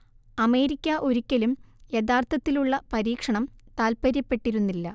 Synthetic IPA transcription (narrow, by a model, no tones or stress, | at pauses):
ɐme̞ːɾikʲːɐʔo̞ɾukʲːɐlumjed̪aːrt̪ʰɐt̪ːiluɭːɐpɐɾiːkʂɐɳɐmt̪aːlpɐɾɐpːe̞ʈːiɾunːilːɐ